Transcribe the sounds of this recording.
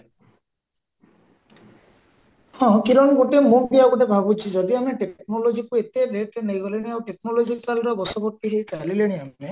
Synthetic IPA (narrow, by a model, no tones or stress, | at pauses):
hɔ̃kiɾɔɽ̃ɔɡoʈemũɖiaɡɔʈebʱabut͡ʃʰid͡ʒɔd̪iameʈeknɔlod͡ʒikuet̪eɾeʈnejɡɔleɽ̃iawʈeknɔlod͡ʒikalɾɔbɔsɔbɔt̪ːiɦejt͡ʃalileɽ̃iae